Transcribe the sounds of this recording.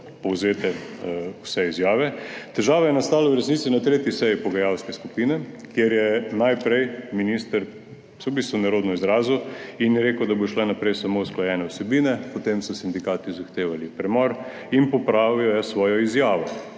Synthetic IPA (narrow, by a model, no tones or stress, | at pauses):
pɔwzeːt̪ɛwsɛizjaːʋɛt̪ɛʒaːʋajɛnast̪aːlɛwɾɛsnitsinat̪ɾeːt̪jisɛjipɔɡajawskɛskupiːnɛkjeɾjɛnajpɾɛjminist̪əɾ | sɔwbist̪ʋunaɾoːd̪nɔizɾaːzuinjɛɾeːkəwd̪aboʃlɛnapɾɛjsamousklɔjɛnɛwsɛbiːnɛpɔt̪emsɔsind̪ikaːt̪izaxt̪eːʋalipɾɛmɔɾ | inpɔpɾaːʋijɔjasʋɔːjɔizjaːʋɔ